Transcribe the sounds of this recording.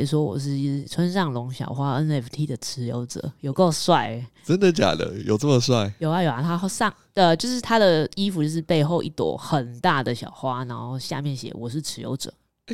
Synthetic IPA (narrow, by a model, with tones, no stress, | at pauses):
s̬wɔ˥wɔ̰˨˩ʂ̬ɻ̩˥˩˥ʈ͡ʂʰwə˦nʂɑ˥˩ŋlʊ˧˥ŋɕjɑ̰˨˩ʊxwa˥ə˦nɛ˥˩ft̪ʰi˥d̪ə˨ʈ͡ʂʰɻ̩˧˥jo̰˧˥ʊʈ͡ʂə̰˨˩˦jo˨ʊko˥˧ʊswa˥˩ɪʈ͡ʂə˦˥nd̪ə˨t͡ɕja̰˨˩d̪ə̰˦jo˨ʊʈ͡ʂə˥˩mə˨˩swa˥˩ɪjo˨˩ʊa˧˦jo˨˩ʊa˨˩t̪ʰa˥xo˥sɑ˥˨˩ŋ | ə˧˩t͡ɕjo˥˧ʊʂɻ̩˥˩t̪ʰa˥d̪ə˨i˦˥fu˨t͡ɕjo˥˧ʊʂ̬ɻ̩˥˧pe˥˧ɪxo˥˧ʊʔi˥˩t̪wɔ̰˨˩xə˨˩nt̪a˥˩d̪ə˩ɕjɑ̰˨˩ʊxwa˦˥na˧˥nxo˥˧ʊɕja̰˥˧mjɛ˥˩nɕjɛ̰˨˩wɔ˨˩ʂɻ̩˥˩ʈ͡ʂʰɻ̩˧˥jo̰˧˥ʊʈ͡ʂɤ̰˨˩˦